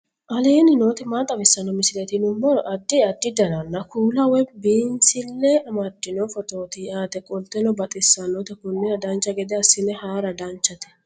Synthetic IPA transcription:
ʔɐleːnɪno̞ːt̪ɛmaːt̪ʼːɐbɛsːɐnɔmɪsɪlɛt̪ɪnʊmːɔɾɔʔɐd̪ːɪɐd̪ːɪd̪ɐnɐnːɐkuːlɐwɛbiːnsɪlːɛɐmɐd̪ːɪnɔfɔt̪ʼoːt̪iaːt̪ɛkʼɔlt̪ːɛnɔbɐt̪ʼɪsːɐnoːt̪ɛkʊnːɪnɐd̪ɐnt͡ʃːɐɡɛd̪ɛɐsːɪnɛhaːɾɐd̪ɐnt͡ʃːɐt̪ɛ̥

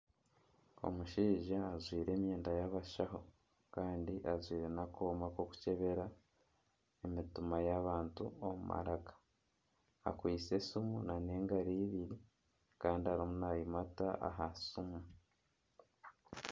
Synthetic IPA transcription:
o̞̰muʃiːʒaːzwiːɾe̞ːmje̞ːndajaβaʃaɦo̞ | kaːndiʔazwiːɾe̞nako̞ːmako̞ku̥ce̞βe̞ɾa | emitumajaβaːntuomuma̰ɾakḁ | a̰kwiːt͡se̞sumunane̞ːŋɡaɾiːβiɾi | kaːndiaɾimunajimata̰ʔa̰ɦasumu

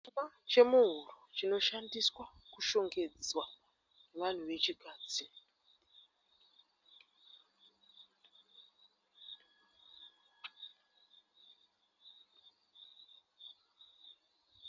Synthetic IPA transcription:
at͡ʃe̞muɦurut͡ʃino̞ʃandiswakuʃo̞ŋɡe̞d͡zwa | neʋan̤uʋe̞t͡ʃikaːd͡zi

